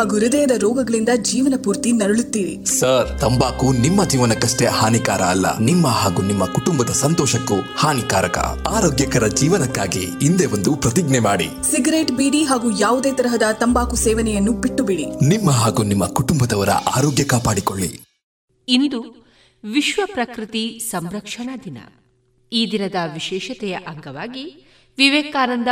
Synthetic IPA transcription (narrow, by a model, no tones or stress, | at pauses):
ɦaːɡuɾid̪ɐjɐd̪ɐɾɔːɡɐɡɐɭind̪ɐd͡ʒiːʋɐnɐpuːɾt̪inɐɾɐɭut̪ːiːʋḭsɐɾt̪ɐmbaːkunimːɐd͡ʒiːʋɐnɐkːɐʂʈeɐhaːnikaːɾɐːlːɐ̰nimːɐɦaːɡunimːɐkuʈumbɐd̪ɐsɐnt̪ɔːʃɐkːuhaːnikaːɾɐkɐ̰aːɾoːɡjɐkɐɾɐd͡ʒiːʋɐnɐkːaːɡḭːnd̪eʋond̪upɾɐt̪iɡnɛmaːɽḭ | siɡɐɾeːʈbiːɽiɦaːɡujaːʋud̪eːt̪ɐɾɐɦɐd̪ɐt̪ɐmbaːkusɛːʋɐnɛjɐnːupiʈːubiɽinimːɐɦaːɡunimːɐkuʈumbɐd̪ɐʋɐɾɐ̰ʔaːɾoːɡjɐkaːpaːɽikoɭːḭ | ind̪u | ʋiʃʋɐpɾɐkɾit̪isɐmɾɐkʂɐɳɐd̪inɐ̰ | iːd̪inɐd̪ɐʋiʃɛːʃɐt̪ɛjɐʔɐŋɡɐʋaːɡi | ʋiʋeːkaːnɐnd̪ɐ